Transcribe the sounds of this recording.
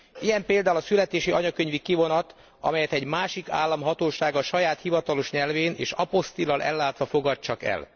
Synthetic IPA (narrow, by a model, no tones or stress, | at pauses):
ijɛmpeːld̪aːulɒsylɛt̪eːʃiɒɲɒkøɲvikivo̞nɒt̪ | ɒ̰mɛjɛt̪ɛɟmaːʃika̰ːlːɒmɦɒt̪oːʃaːɡɒʃɒjaːt̪hivɒt̪ɒlo̞ʃɲɛlveːnḛːʃɒpo̞st̪ilɒlʔɛ̰lːaːt̪ʋɒfo̞ɡɒtt͡ʃɒkɛ̰l